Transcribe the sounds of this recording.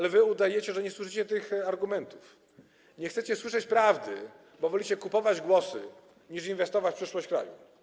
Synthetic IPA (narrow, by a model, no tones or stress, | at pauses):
alɛvɘud̪ajɛt͡ɕɛʐɛɲɛswɘʂ̬ɘt͡ɕɛt̪ɘxaɾɡumɛnt̪uf | ɲɛxt̪sɛt͡ɕɛswɘʂɛt͡ɕpɾavd̪ɘ̰ | bɔvɔlʲit͡ɕɛkupɔvad͡ʑɡwɔsɘ̰ | ɲiʂinvɛst̪ɔvat͡ɕfpʂɘʂwɔɕt͡ɕkɾa̰jṵ